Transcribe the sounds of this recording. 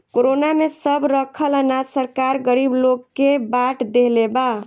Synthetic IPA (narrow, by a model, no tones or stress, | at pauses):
koɾonamesəbɾəkʰələnasəɾkaɾɡəɾibloɡːebaʈd̪eleba